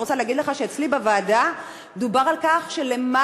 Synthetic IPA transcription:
ot͡saleaɡid̪leχaʃeet͡slibavaːda | d̪ubaʁalkaχʃelema

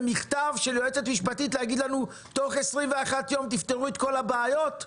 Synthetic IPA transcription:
miχtavʃe̞ljoet͡se̞t̪miʃpatit̪lehaɡid̪lanu | t̪o̞χesʁimveaχat̪jo̞mt̪ift̪eʁuet̪ko̞labeajo̞t̪

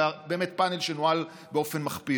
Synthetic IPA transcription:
abe̞ːmet̚panelʃenoal | beo̞fe̞nmaχpi

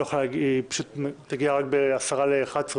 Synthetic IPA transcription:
juχolɡpḁʃut̪tːaɡiaʁak̚beasaʁaleːχadsʁ

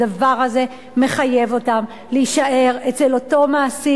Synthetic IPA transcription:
avaʁaze̞ | me̞χaje̞vo̞tam | leiʃaʔe̞ʁet͡selo̞to̞maːsi

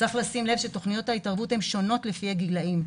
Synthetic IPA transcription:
t͡saχlasimlevʃeto̞χnijo̞thaitaʁvuthemʃo̞no̞tlefihaɡilaim

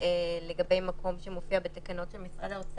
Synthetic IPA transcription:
ele̞ɡabe̞jmako̞mʃemofiabet̪akano̞tʃelmisʁad̪aot͡s

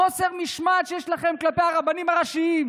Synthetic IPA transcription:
o̞seʁmiʃmaʃejeʃlaχe̞mklapejaʁabanimaʁaʃiim

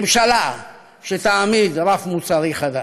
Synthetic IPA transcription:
mʃala | ʃet̪aːmid̪ɾafmut͡saɾiχad̪a

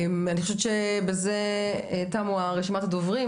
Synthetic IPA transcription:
anixoʃevt͡ʃebezetamuaʁeʃimat̪adovʁi

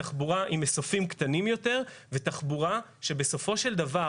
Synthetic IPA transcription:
aχbuʁaʔimesofimkt̪animjo̞teʁvet̪aχbuʁa | ʃe̞beso̞fo̞ʃe̞ld̪ava

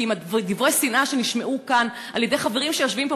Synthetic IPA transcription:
imad̪ivʁejsinʔaʃe̞niʃme̞ʔukan | aljedejχaveʁimʃejoʃvimbo

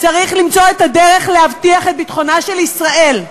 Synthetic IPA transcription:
t͡saʁiχlimt͡so̞etade̞ʁe̞χlehavtiaχet̪̚bit̪χonaʃe̞lisʁaʔe̞l

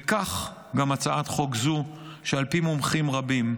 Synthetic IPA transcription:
kaχ | ɡamat͡saat̪χoɡzu | ʃealpimomχimʁabim

